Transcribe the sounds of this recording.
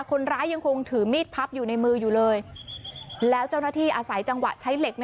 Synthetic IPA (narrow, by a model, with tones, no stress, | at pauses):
kʰo˧nɾaː˦˥jːa˧ŋkʰo˧ŋt̪ʰɯː˩˦miː˥˩t̪̚pʰa˦˥p̚juː˨˩na˧jmɯː˧juː˨˩lɤː˧j | lɛː˦˥wt͡ɕa˥˩wna˥˩t̪ʰiː˥˩ʔaː˧sa˩˦jt͡ɕa˧ŋwa̰˨˩t͡ɕʰa˦˥jle˨˩k̚n